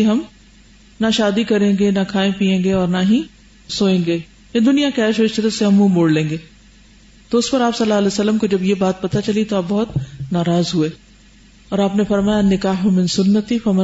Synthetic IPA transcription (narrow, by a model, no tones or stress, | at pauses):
ɦɐm | naʃaːd̪ikɐɾẽːŋɡenakʰaːẽpiːẽːŋɡeɔːɾnaɦĩ | soːẽːɡeː | jed̪ʊnijakɛːʃoɪʃɐd̪əseɦɐmːũmoːɽlẽːŋɡeː | t̪oʊspɐɾaːpsɐlːaːɐlɛsɐlːəmkod͡ʒɐbjebaːt̪̚pɐt̪at͡ʃɐlit̪oaːb̚bɔɦʊt̪naːɾaːzɦueː | ɔːɾaːpnefɐɾmaːjanːɪkaːɦʊmɪ̃nsʊnːət̪ifɐmɐ